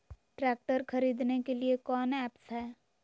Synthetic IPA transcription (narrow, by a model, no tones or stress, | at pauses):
ʈɾɛːk̚ʈəɾxʰɐɾiːd̪nekeliekɔːnɛːpsɦɛː